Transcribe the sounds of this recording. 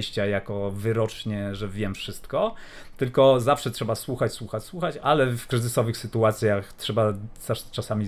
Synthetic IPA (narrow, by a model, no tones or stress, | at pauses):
jɕt͡ɕajakɔvɘɾɔt͡ʂɲɛʐɛvʲjɛmfʂɘst̪kɔ | t̪ɘlkɔzafʂɛtʂɛbaswuxat͡ɕswuxat͡ɕswuxat͡ɕalɛfkɾɘzɘsɔvɘxsɘt̪uat̪sʲjaxtʂɛbasat͡ʂasamʲi